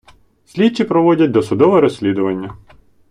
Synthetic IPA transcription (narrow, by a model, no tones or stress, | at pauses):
sʲlʲit͡ʃːipɾɔʋɔdʲɐt̚ʲd̪ɔsʊd̪ɔʋɔɾɔsʲlʲid̪ʊʋɐnʲːɐ